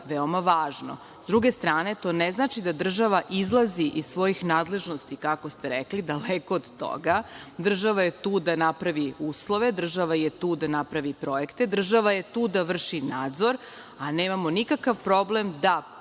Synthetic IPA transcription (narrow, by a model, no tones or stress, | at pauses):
ʋeo̞maʋaːʒno̰ | zd̪ɾuɡe̞st̪ɾaːne̞t̪o̞ːneznaːt͡ʃid̪ad̪r̩ʒaʋaʔizlˠaziʔizsʋo̞jixnaːd̪le̞ʒno̞st̪ikako̞st̪eɾeklid̪alekoːd̪t̪o̰ɡad̪r̩ʒaʋajet̪uːd̪anapɾaʋiuːslˠo̞ʋed̪r̩ʒaʋajet̪uːd̪anapɾaʋipɾo̞ekt̪e̞d̪r̩ʒaʋajet̪uːd̪aʋr̩ʃinaːd̪zo̞ɾ | aneːmamonikakaʋpɾo̞blemd̪a